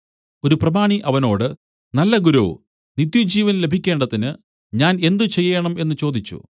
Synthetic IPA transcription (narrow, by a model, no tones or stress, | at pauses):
o̞ɾuprɐbaːɳiʔɐʋɐno̞ːɽɨ | nɐlːɐɡuɾuː | nit̪jud͡ʑiːʋɐnle̞bʱikʲːe̞ːɳɖɐðinɨ | ɲaːne̞nd̪ut͡ɕe̞jːeːɐɳɐme̞nːɨt͡ɕo̞ːd̪it͡ɕːṵ